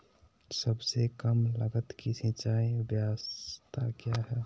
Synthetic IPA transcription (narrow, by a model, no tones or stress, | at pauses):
səbsekəmlə̰ɡət̪kisĩt͡ʃaːibjast̪ʰakjaɦɛ